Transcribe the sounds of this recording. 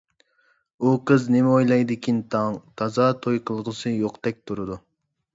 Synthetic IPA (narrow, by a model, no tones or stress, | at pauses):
uqʰɨznɪmojlˠɑjd̪ɪkʲʰint̪ʰɑŋt̪ʰɑzɑːt̪ʰojqʰəlˠəʁəsɨjoqt̪ɛk̚ʲt̪ʰuɾɨd̪u